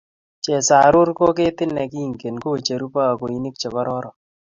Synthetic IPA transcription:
t͡ʃɛ˨sa˨ɾʊ˦ɾko˦kɪ˦t̪ɪ˦nːɛ˨ki˦i˨ŋke˨nko˦˨t͡ʃe˨ɾu˦pa˦a˨ko˨i˦nɪ˦k̚t͡ʃɛ˨bɔ˦ɾɔ˦ɾɔ˨

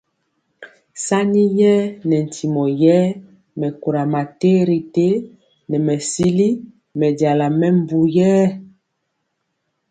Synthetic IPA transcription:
sa˦ni˦jɛː˦nɛ˨n̩˨tʰi˨mɔ˨jɛ˦ | mɛ˨ku˨ɾa˨ma˨te˦ɾi˨te˦ | nɛ˨mɛ˨si˦li˦ | mɛ˨da˨la˨mɛ˦m̩˦bu˨jɛː˦

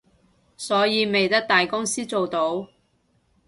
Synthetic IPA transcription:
sɔː˨˥jiː˨˧me˨jt̪ɐ˥k̚t̪aː˨jkʊ˥ŋsiː˥t͡so˨wt̪o˨˥w

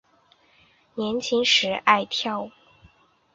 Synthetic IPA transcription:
njɛ˧˥nt͡ɕʰi˧˥ŋʂɻ̩˧˥ʔa˥˧ɪt̪ʰjɑ˥˩ʊ

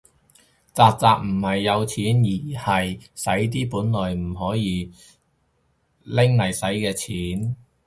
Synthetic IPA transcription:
t͡saː˨˧k̚t͡saː˨k̚m̩˨˩hɐ˨jːɐ˨˧wt͡sʰiː˨˥njiː˨˩hɐ˨jsɐ˨˥jt̪̬iː˥puː˨˥nlɔː˨jm̩˨˩ɦɔː˨˥jiː˨˧ | lɪ˥ŋlɐ˨˩jsɐ˨˥jkɛː˧t͡sʰiː˨˥n

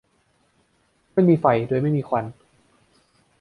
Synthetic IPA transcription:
ma˥˩jmiː˧fa˨˩jdoː˧jma˥˩jmiː˧kʰa˧n

